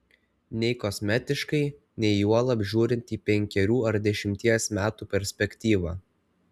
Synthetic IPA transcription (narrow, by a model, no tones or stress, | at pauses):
nʲɛɪkɔsʲmʲɛt̪ʲɪʃkɐɪ | nʲɛɪjuɔlˠɐbʲʒʲuːɾʲɪnʲt̪ʲiːpʲɛŋʲkʲɛɾʲuːɐɾd̪ʲɛʃʲɪmʲt̪ʲiɛsmʲæːt̪uːpʲɛɾʲsʲpʲɛkʲt̪ʲiːʋɑː